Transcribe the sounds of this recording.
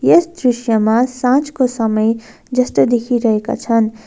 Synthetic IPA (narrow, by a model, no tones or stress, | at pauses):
jesd̪ɾisjʌmasãt͡skosʌmʌj | d͡zʌst̪ʌd̪ekʰiɾʌɦeka̰t͡sʰʌn